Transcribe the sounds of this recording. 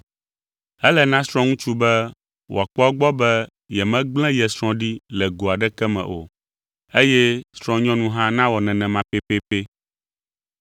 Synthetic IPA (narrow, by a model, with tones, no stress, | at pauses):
ɛ˦lɛ˨nã˦sɾ̃ɔ̃˦ŋũ˦t͡ʃu˦bɛ˦ | wo̰˨a˨k͡pɔ˦a˦ɡ͡bɔ˦bɛ˦ | jɛ˨mɛ̃˦ɡ͡blɛ̃˦jɛ˨sɾɔ̃˦ɖi˦lɛ˨ɡo˨a˨ɖɛ˦kɛ˦mɛ̰̃˨ʔo̰˨ | e˦jɛ˦sɾɔ̃˦ɲɔ̃˦nũ˦ɦã˦nã˦wɔ˨nɛ̃˨nɛ̃˨mã˨pe˦pe˦pe˦